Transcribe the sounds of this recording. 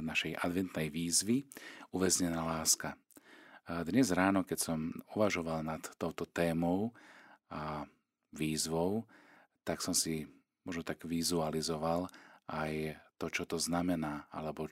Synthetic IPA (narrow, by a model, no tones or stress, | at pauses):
naʃɛjʔa̰d̪ʋɛnt̪nɛjʋiːzʋiuʋɛzɲɛnaːlaːska | d̪ɲɛzɾaːnɔkɛcsɔmuʋaʒɔʋalnat̪ːɔʊt̪ɔt̪ɛːmɔʊa | ʋiːzʋɔʊ | t̪aksɔmsi | mɔʒnɔt̪aɡʋizualizɔʋalajt̪ɔt͡ʃɔt̪ɔznamɛnaːa̰lɛbɔ